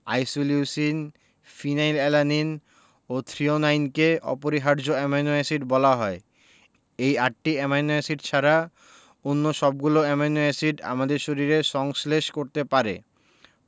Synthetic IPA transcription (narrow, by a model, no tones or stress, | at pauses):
a̰jsolusin | finajlɛlanin | ot̪ʰɾionajnkeɔ̰poɾiɦaɾd͡ʑoɛmanuesiɖbɔlaɦɔe | ejaʈʈiɛmanuesiʈt͡ɕʰaɾa | onːoʃɔb̚ɡuloɛmanuesiɖa̰mad̪eɾʃoɾiɾeʃɔŋsleʃkoɾt̪epaɾḛ